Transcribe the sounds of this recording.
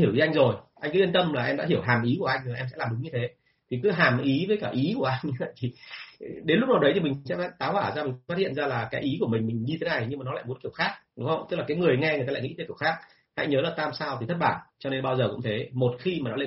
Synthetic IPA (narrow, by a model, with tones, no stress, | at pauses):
i˧˩əwi˨˦ʔa˧jŋzo˨˩jʔa˧jŋkɨ˨˦i˧ənt̪ə˧mlaː˨˩ʔɛ˧mɗa̰ː˧˥ɦi˧˩əwɦaː˨˩mʔi˨˦ku˧˩əʔa˧jŋ̟˨a˨˩ʔɛ˧msɛ̰˧˥laː˨˩ɗʊ˨˦ŋ͡mɲɨ˧t̪ʰe˨˦ | t̪ʰi˨˩kɨ˨˦ɦaː˨˩mʔi˨˦vəː˨˦jkaː˧˩ʔi˨˦ku˧˩əʔa˧jŋ̟ɲɨ˧və̰˧˨jt̪ʰi˨˩ɗe˨˦nlʊ˦˥k͡p̚na˨˩wɗə˨˦jt̪ʰi˨˩mi̟˨˩sɛ̰˧˥˦t̪aː˨˦waː˧˩zaː˧mï˨˩fa˦˥t̚hḭ˧˨ənzaː˧laː˨˩kaː˨˦jʔi˨˦ku˧˩əmï˨˩ŋ̟mï˨˩ŋ̟ɲɨ˧e˨˦na˨˩jɲɨ˧maː˨˩nɔ˨˦a̰ː˧˨mu˨˦ənki˧˩əwxaː˦˥k̚ɗʊ˨˦ŋ͡mhə˧wŋ͡mt̪ɨ˦˥k̚laː˨˩kːŋɨ˨˩əjŋɛ˧ŋɨ˨˩a˧aː˧˨ŋḭ˧˥t̪e˨˦ki˧˩əwxaː˦˥k̚ | ha̰˧˥jɲəː˨˦laː˨˩t̪aː˧msaː˧wt̪ʰi˨˩t̪ʰə˦˥t̚ɓaː˧˩nt͡ɕɔ˧ne˧nɓaː˧wzəː˨˩kʊ̰˧˥ŋ͡mt̪ʰe˨˦mo˨˩t̚xi˧maː˨˩nɔ˨˦le˧